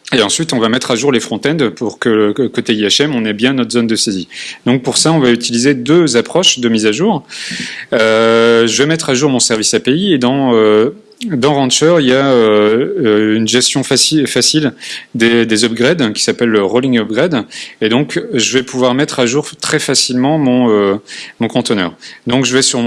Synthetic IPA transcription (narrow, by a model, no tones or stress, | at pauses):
eɑ̃sɥit̪ɔ̃vamɛt̪χaʒuʁlefχɔ̃t̪ɛ̃nd̪puʁkələkot̪eiɛʃɛmɔ̃nɛbjɛ̃nɔt̪χzond̪əsezid̪ɔ̃k̚puʁsaɔ̃vayt̪ilized̪øzapχɔʃd̪əmizaʒuːʁ | øʒəvɛmɛt̪χaʒuʁmɔ̃sɛʁvisapeied̪ɑ̃ø | d̪ɑ̃ʁɑ̃t͡ʃœʁijaøøynʒɛst̪jɔ̃fasifasild̪ed̪ezɔbɡʁɛd̪kʲi̥sapɛlːəʁolĩŋɔbɡʁɛd̪ed̪ɔ̃kʒəvɛpuvwaʁmɛt̪χaʒuʁt̪χɛfasilmɑ̃mɔ̃ømɔ̃kɔ̃t̪ənœ̰ːʁd̪ɔ̃kʒəvɛsyʁm̃